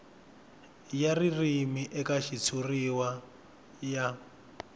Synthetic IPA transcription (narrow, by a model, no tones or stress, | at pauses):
jaririmiʔɛkaʃit͡sʰuriwa | ja